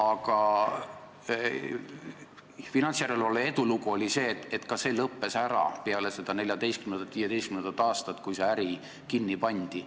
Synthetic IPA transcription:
ɑɡ̥ɑ | finɑnt̪sjæɾelvɑlːee̞d̪̥uluɡuo̞lʲise̞ːt̪ːet̪kɑse̞lɤpːe̞sæɾɑ̰peɑlese̞d̪̥ɑne̞lʲjɑd̪e̞jst̪kymend̪ɑt̪viːje̞d̪ejst̪kymend̪ɑt̪ːˑɑːst̪ɑt̪ːˑkujseæɾi | kinːipɑnʲd̪̥i

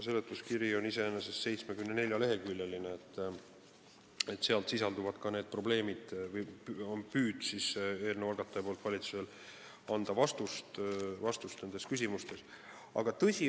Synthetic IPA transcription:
selet̪ːˑuskiɾio̞nise̞enesesse̞jt̪smekymnene̞lʲjɑle̞ɦe̞lkylʲjelineet̪ː | e̞t̪seɑlt̪sisɑld̪uvɑd̪̥kɑne̞ːd̪̥̚pro̞ble̞ːmid̪̥vɤjpyːd̪̥siseːlneɑlɡ̥ɑt̪ːˑɑjepolt̪vɑlʲit̪suse̞l | ɑnd̪̥ɑvɑst̪ust̪vɑst̪ust̪ne̞nd̪e̞skysʲimust̪e̞s | ɑ̰ɡ̥ɑt̪ɤsʲi

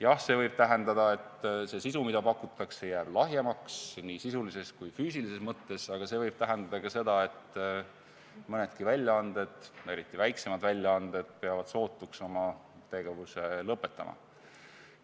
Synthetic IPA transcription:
jɑhse̞vɤjb̥̚t̪æɦe̞nd̪ɑd̪̥ɑe̞t̪ːse̞sisumid̪̥ɑpɑkːˑut̪ːˑɑkse̞jæːb̥lɑɦjemɑksniːsisulise̞skujfyːsilise̞smɤt̪ːe̞sɑɡ̥ɑse̞vɤjb̥̚t̪æɦend̪̥ɑd̪̥ɑkɑse̞d̪̥ɑe̞t̪ː | mɤne̞d̪̥kivælʲjɑɑnd̪̥e̞d̪̥e̞ɾit̪ˑːivæjkse̞mɑd̪vælʲjɑɑnd̪̥e̞d̪̥̚pe̞ɑvɑd̪̥so̞ːt̪ːˑukso̞mɑ | t̪e̞ɡ̥e̞vuse̞lɤpːˑe̞t̪ːˑɑ̰mɑ̰

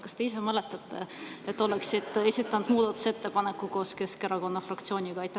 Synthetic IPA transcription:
kɑ̥st̪e̞is̬e̞mɤle̞t̪ːˑɑt̪ːˑe̞̰et̪ːo̞leksid̪̥ˑesit̪ːˑɑnud̪muːd̪ɑt̪ːˑu̥se̞t̪ːe̞pɑnekːuko̞ːske̞skeɾɑko̞nːɑfrɑkt̪sio̞ːnʲiɡ̥ɑɑjt̪ːˑɑ

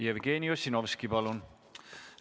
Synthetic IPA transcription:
jevɡeːniosinovskipɑlun

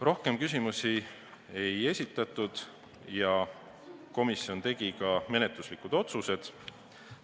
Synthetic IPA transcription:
rʔo̞hke̞mkys̬imusi | e̞je̞sʲit̪ːˑɑt̪ːˑud̪̥ | jɑ | ko̞misio̞nt̪e̞ɡ̥ikɑme̞net̪luslikud̪̥o̞t̪suse̞d̪̥

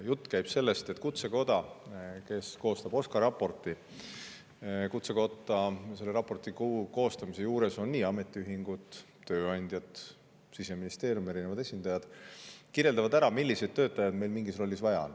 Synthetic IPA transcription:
jut̪ːˑkæjb̥se̞lːe̞st̪et̪kut̪se̞ko̞d̪̥ɑke̞sko̞ːst̪ɑb̥o̞skɑɾɑpːo̞rt̪ˑi | kut̪se̞ko̞t̪ːˑɑse̞lːe̞ɾɑpːˑo̞rt̪ˑikuko̞ːst̪ɑmise̞juːɾe̞so̞nːiːɑme̞t̪ːˑiyɦiŋɡ̥ut̪ | t̪ːø̞ːɑnʲd̪̥ʲjɑd̪ | sise̞minist̪e̞ːɾjume̞ɾinevɑd̪̥e̞sʲind̪̥ɑjɑd̪̥kiɾjeld̪ɑvɑd̪æɾɑmilʲːise̞jd̪̚t̪ø̞ːt̪ːˑɑjɑd̪̥me̞jlmiŋɡisro̞lːisvɑjɑ̰n

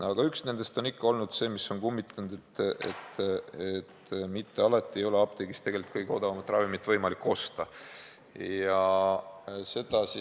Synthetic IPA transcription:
ɑɡ̥ɑyksne̞nd̪̥e̞st̪o̞nikːɑo̞lnud̪̥se̞ːmisːo̞nkumːit̪ːˑɑnud̪̥et̪ːḛt̪ːet̪mit̪ːe̞ɑlɑt̪ˑːie̞jo̞le̞ɑb̥̚t̪eɡist̪eɡe̞lit̪̚kɤjɡ̥eo̞d̪ɑvɑmɑt̪ːˑrɑvimit̪ːˑvɤjmɑlikːo̞st̪ɑ | jɑ | se̞d̪̥ɑsi

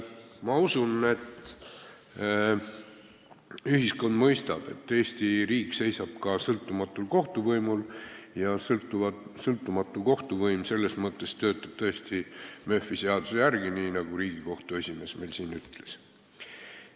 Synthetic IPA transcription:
mɑusune̞t̪ | yɦisko̞nd̪̥mɤjst̪ɑb̥e̞̰t̪ːe̞ːsʲt̪iɾiːkse̞jsɑb̥̚kɑsɤlt̪ˑːumɑt̪ːˑulko̞ht̪uvɤjmuljɑst̪sɤlt̪ːˑumɑt̪ːˑuko̞ht̪uvɤjmse̞lːesmɤt̪ˑːe̞st̪ø̞ːt̪ːˑɑb̥̚t̪ɤest̪imø̞fːiseɑd̪usejærɡ̥iniːnɑɡ̥uɾiːɡ̥iko̞ht̪ue̞sʲime̞ːsme̞jlsiːnyt̪le̞̥s

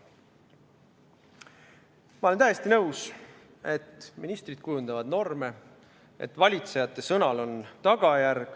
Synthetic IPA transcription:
mɑʔolenæjest̪inɤws | e̞t̪ːminist̪rid̪̥̚kujund̪ɑvɑd̪̥no̞rme̞ | ḛt̪ːˑvɑlʲit̪se̞jɑt̪ːe̞sɤnɑlo̞nt̪ɑɡ̥ɑjærɡ̥

